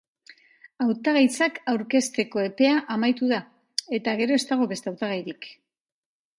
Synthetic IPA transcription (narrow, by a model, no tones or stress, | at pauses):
awt̪aɣajt͡sakawɾke̞st̪e̞ko̞e̞pe̞aʔamajt̪uða | e̞t̪aɣ̞e̞ɾo̞e̞st̪aɣ̞o̞βe̞st̪eawt̪aɣ̞ajɾik